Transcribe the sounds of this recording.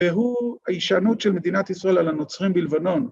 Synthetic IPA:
veɦuaiʃanutʃelmed̪inat̪isʁae̞lalano̞t͡sʁimbilvano̞n

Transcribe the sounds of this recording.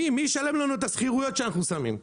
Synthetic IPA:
imiʃale̞mlanuet̪asχiʁujo̞t̪ʃeanaχnusamḭm

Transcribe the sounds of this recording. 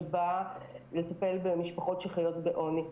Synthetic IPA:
balet̪ɐpe̞lbemiʃpaχo̞tʃeχajo̞tbeʔo̞ni

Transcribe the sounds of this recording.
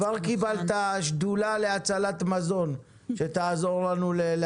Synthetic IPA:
vaʁkibalt̪aʃd̪ulaleat͡salat̪mazo̞n | ʃe̞t̪aːzo̞ʁlanulel

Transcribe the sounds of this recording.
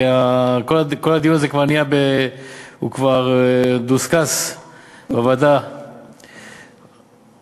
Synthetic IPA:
eakolako̞lad̪ijunazekvaʁnijabe | hṵkvaʁd̪uskas | bavad̪a

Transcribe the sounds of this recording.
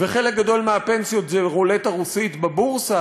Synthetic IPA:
veχelek̚ɡad̪o̞lmeape̞nsijo̞t̪zeʁoletaʁusit̪babuʁsa

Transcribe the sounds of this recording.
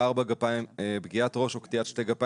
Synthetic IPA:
aʁbaɡapaimebɡiat̪ʁo̞ʃukt̪iatʃteɡapa

